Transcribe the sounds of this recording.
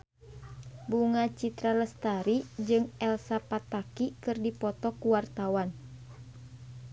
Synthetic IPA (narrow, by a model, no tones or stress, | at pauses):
buŋat͡ʃit̪ɾaləst̪aɾid͡ʒɨŋɛlsapat̪akikɨrdipɔt̪ɔkuwart̪awan